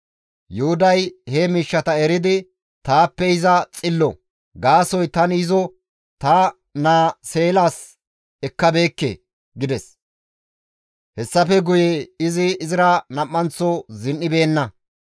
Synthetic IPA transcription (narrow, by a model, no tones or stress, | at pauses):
jʊhʊd̪ɐjhɛmiːʃːɐt̪ɐɛɾɪd̪ɪ | t̪aːpːɛɪzɐt͡sʼɪlːɔ | ɡaːsɔjt̪ɐnɪzɔ | t̪ɐ | naːse̞ːlaːs | ɛkːɐbe̞ːkːḛ | ɡɪd̪ɛs | hɛsːɐfɛɡʊjeɪzɪːzɪɾɐnɐmʼːɐnt͡sːɔzɪnːɪbe̞ːnːɐ